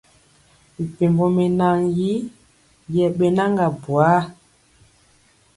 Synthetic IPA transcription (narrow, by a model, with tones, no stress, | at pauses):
mi˨pe˨mbɔ˨me˨na˦ŋji˦ | jɛ˨ɓe˦na˦ŋɡa˨bwa˦